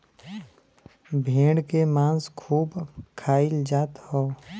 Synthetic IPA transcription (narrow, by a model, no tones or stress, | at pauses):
bʱẽːɽkemãːnskʰuːbkʰaːɪld͡ʒaːt̪ho